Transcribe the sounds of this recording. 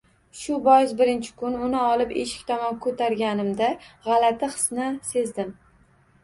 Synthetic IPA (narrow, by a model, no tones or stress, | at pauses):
ʃʊbɒjɪzbɪɾɪnt͡ʃʰɪ̥kʰʊnʊnɪɒlˠɪpeʃɪ̥kʲt̪ʰɒmɒnkʰɵt̪ʰaɾɡʲanɪmd̪aʁɑlat̪ʰɪχɨ̥snɪse̞zd̪ɪm